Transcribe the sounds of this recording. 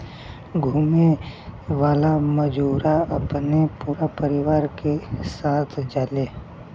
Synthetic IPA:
ɡʱumeʋaːlaməd͡ʒuːɾaɐpnepuːɾapəɾɪʋaːɾkesaːt̪ʰd͡ʒaːle

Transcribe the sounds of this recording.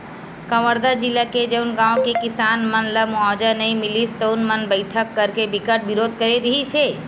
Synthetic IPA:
kəʋəɾd̪ad͡ʒɪlaked͡ʒɐʊnɡãːõkekɪsaːnmənləmuaːd͡ʒanɐĩmɪlist̪oʊnmənbəɪʈʰəkːəɾkebɪkəʈ̚bɪɾoːd̪̚kəɾeɾɐɦit͡ʃʰeː

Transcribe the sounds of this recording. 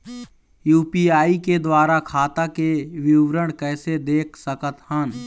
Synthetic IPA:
juːpiaːiked̪waːɾakʰaːt̪akeʋɪʋɾəɽ̃kɛːsed̪eːkʰsəkət̪hən

